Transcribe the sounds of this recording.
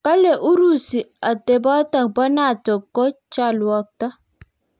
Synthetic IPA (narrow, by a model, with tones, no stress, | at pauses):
ka˦le˨ʔu˦ɾu˦˨si˨a˨te˨ba˦ta˨ba˦na˦˨tɔ˨kːo˦t͡ʃa˦˨lwɔ˨k̚ta˦